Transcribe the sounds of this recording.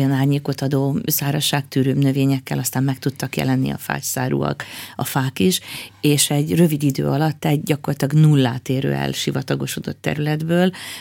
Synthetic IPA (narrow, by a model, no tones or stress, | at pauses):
jɒnaːɲeːko̞t̪ɒd̪oːsaːɾɒʃaːkt̪yːɾøːbnøveːɲɛkːɛlɒst̪aːmmɛk̚t̪ut̪ːɒkjɛ̰lɛnːḭɒ̰fa̰ːcsaːɾṵɒ̰kɒfaːkiʃeːʃɛɟrø̞vid̪id̪ø̰ːɒlɒt̪ːɛɟɟɒkorlɒt̪lɒɡnulːaːt̪eːɾø̰ːɛ̰lʃivɒt̪ɒɡo̞ʃo̞d̪o̞̰t̪ːɛ̰ɾylɛd̪bøːl